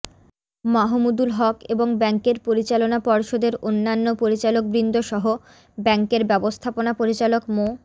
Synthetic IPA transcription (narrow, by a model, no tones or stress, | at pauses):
maɦumud̪ulɦɔkeboŋbɛŋkeɾpoɾit͡ɕalonapɔɾʃod̪eɾonːanːopoɾit͡ɕalok̚bɾind̪ʱoʃɔɦo | bɛŋkeɾbɛbost̪ʰaponapoɾit͡ɕalokmo